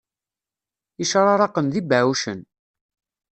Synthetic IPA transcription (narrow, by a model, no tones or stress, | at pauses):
iʃɾˤɑɾˤɑqənðibʕauʃən